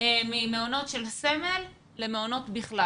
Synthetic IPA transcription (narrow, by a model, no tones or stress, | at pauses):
mimeono̞tʃe̞lseme̞lː | emeono̞tbiχla